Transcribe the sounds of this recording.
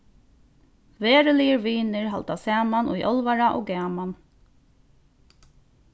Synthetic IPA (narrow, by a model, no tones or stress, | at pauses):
veːɾɪlijəɾʋiːnɪɹɦa̰lt̪asaːmanʔʊ̰jʔɔlvaɾaʔɔ̰ːɡɛːman